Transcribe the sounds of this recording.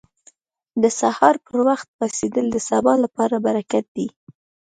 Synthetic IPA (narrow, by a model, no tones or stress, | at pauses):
d̪əsahɑɾpəɾwaxt̪̚wased̪əld̪əsabɑlapɑɾabaɾakat̪̚d̪i